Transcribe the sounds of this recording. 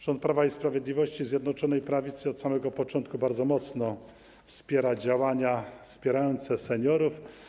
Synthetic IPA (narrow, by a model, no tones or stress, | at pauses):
ʐ̥ɔnt̪̚pɾavaispɾavʲjɛd̪lʲivɔɕt͡ɕizʲjɛd̪nɔt͡ʂɔnɛjpɾavʲit̪sɘɔt̪samɛɡɔpɔt͡ʂɔnt̪̚kubaɾd̪zɔmɔt̪snɔ | fspʲjɛɾad͡ʑawaɲafspʲjɛɾajɔnt̪sɛsɛɲɔɾuf